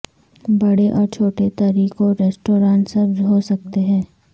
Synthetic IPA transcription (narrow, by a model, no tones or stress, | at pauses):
bɐɽeʔɔːɾt͡ʃʰoːʈet̪ɐɾiːkoɾeːsʈoːɾãːɳʈsɐɾbzɦosɐk̚t̪eɦɛ̃ː